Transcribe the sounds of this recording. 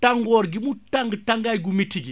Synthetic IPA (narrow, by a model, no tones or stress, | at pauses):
taŋɡɔɾɡimutaŋɡtaŋɡajɡumitiɡi